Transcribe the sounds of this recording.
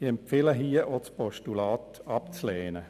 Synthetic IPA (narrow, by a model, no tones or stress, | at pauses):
ɪɛmpfɪləɦiːəʔot͡spɔʃtulɑːtɑp̚t͡sleːnə